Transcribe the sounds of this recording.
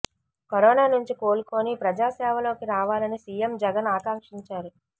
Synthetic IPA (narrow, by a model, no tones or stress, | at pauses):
kɐɾɔːnaːnuɲt͡ʃiko̞ːluko̞ːnipɾɐd͡ʒaːsɛːʋɐlo̞ːkiɾaːʋaːlɐnisiːjemd͡ʒɛɡɐnaːkaːŋkʂiɲt͡ʃaːɾu